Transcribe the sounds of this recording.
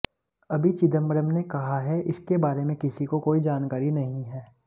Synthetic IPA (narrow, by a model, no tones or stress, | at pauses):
ɐbʱit͡ʃɪd̪əmbəɾəmnekɐɦaɦɛʔɪskebaːɾemẽkɪsikokoːid͡ʒaːnkaːɾinɐɦĩɦɛː